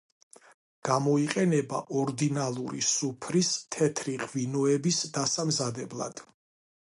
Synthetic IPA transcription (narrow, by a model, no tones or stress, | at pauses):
ɡ̥amɔiqʼɛnɛbaʔɔɾd̪inalˠuɾḭsupʰɾist̪ʰɛt̪ʰɾiqʼvinɔɛbisd̪asamzad̪ɛblˠa̰d̪̥